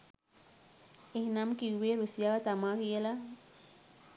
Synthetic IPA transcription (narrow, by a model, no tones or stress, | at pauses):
ehnamkiweɾusjawat̪amakela